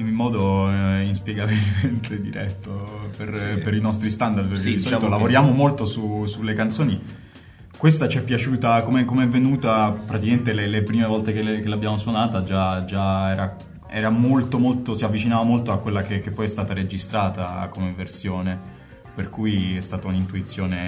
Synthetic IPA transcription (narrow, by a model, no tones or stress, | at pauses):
inmːɔːd̪oinspjeɡabilment̪ʰed̪iɾʔɛt̪ːoperpeɾinɔst̪ɾist̪and̪ard̪perkd̪it͡ʃamt̪olavoɾjaːmomolt̪osusulːekant̪soːni | kwest̪at͡ʃiɛpːjat͡ʃuːt̪akomeɛkomeɛvːenuːt̪apɾat̪ikament̪elelepɾiːmevɔlt̪ekelekelabjaːmoswonaːt̪ad͡ʒad͡ʒaɛːɾa | ɛːɾamolt̪omolt̪osiavːit͡ʃinaːvamolt̪oakːwelːakek̟ːepːɔjɛst̪aːt̪aɾed͡ʒist̪ɾaːt̪akomeversjoːne | perkujɛst̪aːt̪aunint̪uit̪sːjoːne